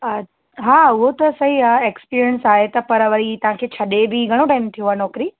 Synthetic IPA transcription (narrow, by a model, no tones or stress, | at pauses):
ə | ɦaːʊɦot̪ɐsɐɦiaekspiːɾiənsaːɦet̪ɐpɐɾɐʋəɾit̪ɐʋ̤ãkʰeːt͡ɕʰɐɗebɪɡʱɐɽ̃oʈaːɪmt̪ʰijõɦaːnɔːkɾiː